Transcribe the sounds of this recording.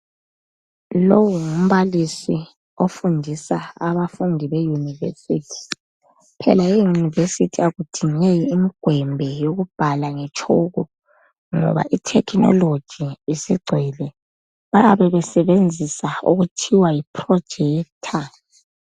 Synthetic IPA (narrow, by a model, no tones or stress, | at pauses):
lowuŋum̩βalisi | ofundʱisaaβafundʱiβɛjunivḛsitʰi̥ | pʰɛ̰lajejunivesitʰiaɣud̥ʱiŋejiːmiɡ̥ʱwɛmbʱɛjoɣub̥ʱalaŋɛt͡ʃʼʰoɣɔ | ŋɔ̰βa̰ʔitʰɛkʰnɔ̰lod̥ʒ̥ʱiːsiɡ͡ǀʱwɛlɛ | βajaβɛβɛsɛβend͡zʱisaṵɣutʰiwajipʰrɔd̥ʒ̥ʱɛːk̚tʰa